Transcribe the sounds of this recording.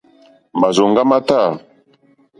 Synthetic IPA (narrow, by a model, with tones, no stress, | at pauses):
ba˨zo˨ŋɡa˦ma˦ta˦˨